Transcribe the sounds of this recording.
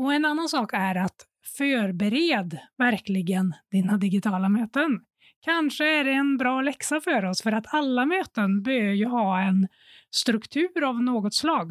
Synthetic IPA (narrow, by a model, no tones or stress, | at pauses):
ɔɛnanːansɑːkɛɾat̪ | fœːɾbɛɾeːd̪væɾklɪɡənd̪̥ɪnːad̪ɪɡɪt̪ʰɑːlamøːt̪ən | kʰanʂəæɖɛːnbɾɑːlɛksafœːɾɔsfœɾat̪ʰalːamøːt̪ənbɛøːjɵhɑːɛn | st̪ɾɵkt̪ʰʉ̟ːɾavnoːɡɔt̪slɑːɡ